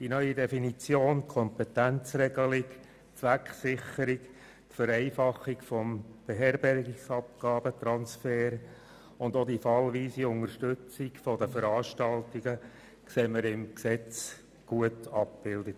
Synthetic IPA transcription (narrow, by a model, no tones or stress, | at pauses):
d̥inœʏidɛfinit͡sjoːnkʰɔmpɛtænt͡srɛɡəlɪk | t͡sʋækχsɪχəɾɪk | tfəɾɛɪfɑχikfɔmb̥eɦɛɾbɛɾɡɪksɑp̚ɡ̥ɑːbət̪ɾɑnsfɛːɾ | ʊndodifɑlʋiːsiʊŋəɾʃtʏt͡sɪkfɔdəfəɾɑːʃtɑltiɡə | kseːməɾɪmksɛt͡s | ɡ̥uətɑp̚b̥ɪldət